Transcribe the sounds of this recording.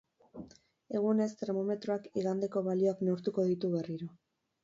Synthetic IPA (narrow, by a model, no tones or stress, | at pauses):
e̞ɣ̞une̞st̪e̞ɾmo̞me̞t̪ɾoakiɣand̪eko̞βalioaknoɾt̪uko̞ðit̪uβe̞riɾo̞